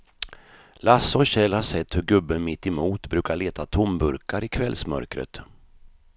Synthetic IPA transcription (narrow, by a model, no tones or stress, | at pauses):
lasɔɕɛlhaʂɛt̪ːhɵɾɡɵbːəmɪt̪ːɛmuːt̪bɾʉ̟ːkaɭeːt̪ʰat̪ʰʊmbɵɾkaɾɪkʰvɛlsmœ̰ɾkɾə̰t̪